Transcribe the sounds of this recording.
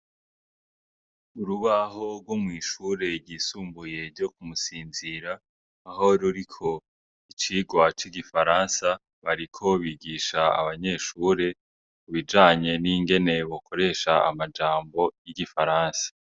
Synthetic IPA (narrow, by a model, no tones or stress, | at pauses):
uɾuβaɦo̞ɾɡwomŋiːʃuːɾe̞ɾɟiːsuːmbuje̞ɾɟo̞kumusiːnziɾaː | ɦo̞ɾuɾikʰo̞ | it͡ʃiːɡwat͡ʃiɡifaɾaːnsa | βaɾikʰo̞βiɡiːʃaa̰βaɲe̞ːʃuːɾe̞ | kuβid͡ʒaːɲe̞niːŋɡe̞ne̞βokʰo̞ɾe̞ːʃaa̰mad͡ʒaːmbo̞jiɡifaɾaːnsḁ